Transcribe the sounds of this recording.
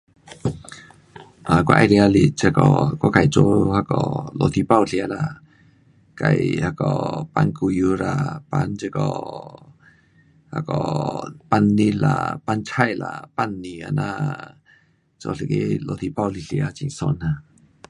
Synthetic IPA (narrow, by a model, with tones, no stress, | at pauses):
ʔa˨kʷa̰˦ʔa˧˨ɾi˧a˧li˧˨t͡ʃə˧kɔ˨ka˧˦ka˨jt͡ʃo˧˦ha˧kɔ̰˨lo˨t̪ʰi˧pa˦˧˨wɬi˧a˧la˧˨ | ka˧˨jha˧kɔ˨pa˧nku˧ju˧ɾa˧pa˧nt͡ʃe˧kɔ˨ | ha̰˧kɔ˨pa˧nːi˦la̰˧˨pa˧nt͡ʃʰa˦˧jla̰˨pa˧nːi˨a˧na˧ | t͡ʃo˧ɬi˧˨ke˦lo˧t̪ʰi˧pa˧˨wli˧ɬi˧a˧˦t͡ʃi˧˨ŋso˧na˧